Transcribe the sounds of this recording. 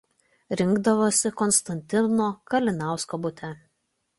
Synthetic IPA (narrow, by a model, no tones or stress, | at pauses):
ɾʲɪŋɡd̪ɐʋoːsʲɪkɔnst̪ɐnʲt̪ʲɪnoːkɐlʲɪnɑˑʊskoːbʊt̪ʲɛ